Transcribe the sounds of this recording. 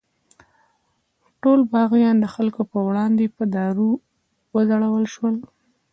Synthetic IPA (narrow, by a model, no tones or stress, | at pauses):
ʈolbɑɣjɑnd̪əxalkopəwɽɑnd̪epəd̪ɑɾu | wəzaɽawəlʃwəl